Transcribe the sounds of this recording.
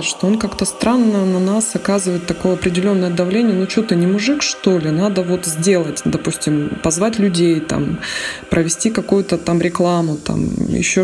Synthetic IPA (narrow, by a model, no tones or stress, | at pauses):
ʂt̪oonkakt̪əst̪ɾanːənɐnasɐkazɨvəjɪt̪ːɐko̞jəɐpɾʲɪdʲɪlʲo̞nːəjəd̪ɐvlʲenʲɪjənut͡ɕut̪ənʲɪmʊʐɨkʂt̪o̞lʲɪnad̪əvo̞t̪zʲdʲe̞lˠətʲd̪ɐpusʲtʲɪmpɐzvatʲlʲʉdʲejt̪a̰mpɾʔəvʲɪsʲtʲikɐkujʊt̪ət̪amɾʲɪklˠamʊt̪a̰mjɪ̰ɕːo